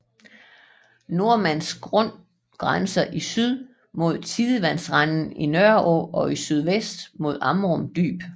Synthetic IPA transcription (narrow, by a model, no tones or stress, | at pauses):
no̝ɐmæn̰s̚ɡ̥ʁɔ̽n̰ | ɡ̥ʁansɐʔisyð̞ˠ | mo̝ð̞̰ˠt͡sʰiðˠəʋænsʁann̩inœɐɔʔɒ̽isyð̞ˠʋesd̥mo̝ð̞ˠɑ̈mʁɔmd̥y̰ːb̥